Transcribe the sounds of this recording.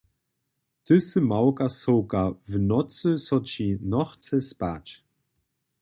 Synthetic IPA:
tɵsəmawkasowkavnɔt͡səsɔt͡ʃinɔχt͡səspat͡ʃ

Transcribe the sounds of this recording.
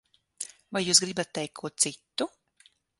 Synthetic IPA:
vajːuːsɡɾibat̪̚ːɛjkkʰːuɔt̪t̪sit̪ːu

